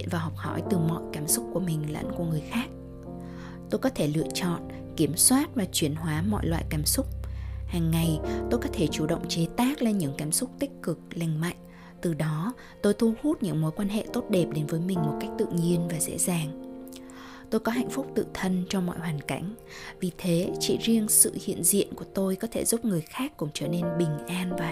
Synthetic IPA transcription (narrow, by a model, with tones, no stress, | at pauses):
nvaː˨˩ɦɔ˨˩wk͡p̚hɔ̰˧˩jt̪ɨ˨˩mɔ̰˧˨jkaː˨˩msʊ˦˥k͡p̚ku˧˩əmï˨˩ŋ̟lə̰˧˥nku˧˩əŋɨ˨˩əjxaː˦˥k̚ | t̪o˧jkɔ˨˦t̪ʰe˧˩lɨ̰˧˨ət͡ɕɔ̰˧˨n | ki˧˩əmswaː˦˥t̚vaː˨˩t͡ɕwi˧˩ənɦwaː˨˦mɔ̰˧˨jlwa̰ː˧˨jkaː˨˦msʊ˦˥k͡p̚haː˨˩ŋːa˨˩jt̪o˧jkɔ˨˦t̪ʰe˧˩t͡ɕu˧˩ɗə̰˧˨wŋ͡mt͡ɕe˨˦t̪aː˦˥k̚le˧nɲɨ̰˧˥ŋkaː˨˦msʊ˦˥k͡p̚t̪ï˦˥k̟̚kɨ˨˩k̚la˧˩jŋ̟ma̰˧˨jŋ̟ | t̪ɨ˨˩ɗɔ˨˦ | t̪o˧jt̪ʰu˧hu˦˥t̚ɲɨ̰˧˥ŋmo˨˦jkwaː˧nɦḛ˧˨t̪o˦˥t̚ɗe˨˩p̚ɗe˨˦nvəː˨˦jmï˨˩ŋ̟mo˨˩t̚ka˦˥jk̚t̪ɨ̰˧˨ɲi˧ənvaː˨˩zɛ̰˧˥zaː˨˩ŋ | t̪o˧jkɔ˨˦ɦa̰˧˨jŋ̟fʊ˦˥k͡p̚t̪ɨ̰˧˨t̪ʰə˧nt͡ɕɔ˧mɔ̰˧˨jhwaː˨˩nka̰˧˩jŋ̟ | vi˨˩t̪ʰe˨˦t͡ɕḭ˧˨zi˧əŋsɨ̰˧˨hḭ˧˨ənzḭ˧˨ənku˧˩ət̪o˧jkɔ˨˦t̪ʰe˧˩zu˦˥p̚ŋɨ˨˩əjxaː˦˥kːʊ̰˧˥ŋ͡mt͡ɕəː˧˩ne˧nɓï˨˩ŋ̟ʔaː˧nvaː˨˩